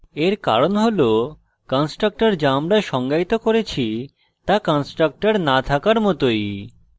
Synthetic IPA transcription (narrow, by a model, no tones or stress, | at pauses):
eɾka̰ɾonɦolo | kɔnsʈɾak̚ʈaɾd͡ʑaamɾaʃɔŋɡait̪okoɾet͡ɕʰi | t̪akɔnsʈɾak̚ʈaɾnat̪ʰakaɾmɔt̪oj